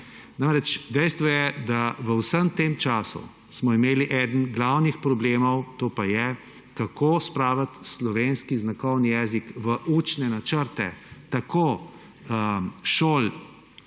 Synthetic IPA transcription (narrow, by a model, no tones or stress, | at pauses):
namɾɛt͡ʃd̪ɛjst̪ʋɔjɛd̪aʋəwsəmt̪eːmt͡ʃaːsṵ | smɔimeːliʔɛːd̪ən̩ɡlawnixpɾɔbleːmɔwt̪oːpajɛ | kakoːspɾaːʋlat̪slɔʋeːnskiznakɔwnijɛːzikʋəʔuːt͡ʃnɛnat͡ʃəɾt̪ɛ̰t̪akʰoː | əʃoːl